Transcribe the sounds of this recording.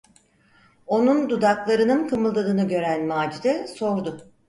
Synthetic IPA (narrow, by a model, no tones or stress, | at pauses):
o̞nund̪ud̪aklˠaɾɯnɯnkʰɯmɯlˠd̪ad̪ɯnɯɟø̞ɾænmaːd͡ʒid̪ɛsoɾd̪ʊ